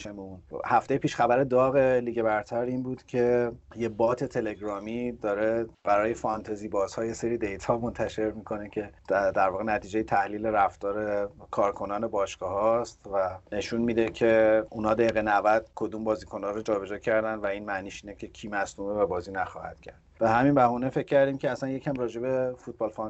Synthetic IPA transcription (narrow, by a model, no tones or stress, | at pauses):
ʃemunhæft̪e̞jepʰiːʃχæbæɾe̞d̪ɒːɣe̞liːɡe̞bæɾt̪ʰæɾiːnbuːd̪̥cʰe̞jebɒːt̪ʰe̞t̪ʰe̞le̞ɡɾɒːmid̪ɒːɾe̞b̥æɾɒːje̞fɒnt̪ʰeziːbɒːzhɒːje̞seɾiːd̪e̞jt̪ʰhɒːmo̞nt̪ʰæʃe̞ɾmiːkʰo̞necʰe̞d̪æɾvɒːɣenæt̪ʰiːd͡ʒe̞jet̪ʰæhliːleɾæft̪ɒːɾe̞kʰɒːɾkʰo̞nɒːne̞bɒːʃɡ̥ɒːhɒst̪væne̞ʃunmiːd̪e̞cʰe̞unhɒːd̪æiːɣenævæd̪̥kʰo̞d̪uːmbɒːziːkʰo̞nɒːɾod͡ʒɒːbe̞d͡ʒɒːcʰæɾd̪ænvæiːnmæniːʃiːne̞cʰe̞cʰiːmæsnuːmevæbɒːziːnæxɒ̰ːhæ̰d̪̥cʰæ̰ɾd̪b̥eɦæminbæhuːne̞fe̞cʰːæɾd̪imcʲʰeæsænje̞cʰæmrɒːd͡ʒe̞be̞fut̪̚bɒːlfɒn